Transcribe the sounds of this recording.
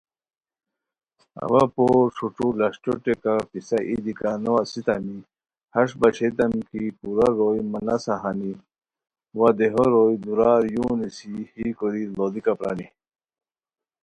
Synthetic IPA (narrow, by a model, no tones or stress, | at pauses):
ɐ̰wapoːɾʂuʈ͡ʂulɐʂʈoʈekapisaʔḭd̪ikanoasit̪ami | hɐʂbɐɕet̪ɐmkipuɾaɾojmɐlɐsaɦani | wad̪eɦoɾojd̪uɾaːɾjuːnisihikoɾilod̪ikapɾa̰ni